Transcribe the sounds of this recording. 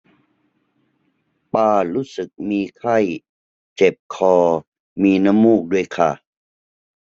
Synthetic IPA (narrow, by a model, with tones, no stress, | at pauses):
paː˧˩ɾuː˦˥˩sɯ˨˩k̚miː˧kʰa˥˩j | t͡ɕe˨˩p̚kʰɔː˧ | miː˧na˦˥mːuː˥˩k̚du˥˩əjkʰa˥˩